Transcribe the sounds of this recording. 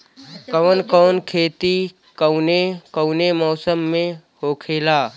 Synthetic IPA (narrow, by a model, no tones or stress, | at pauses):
kəʋənkɔːnkʰeːt̪i | kəʊnekəːnemɔːsəmːẽhoːkʰeːlaː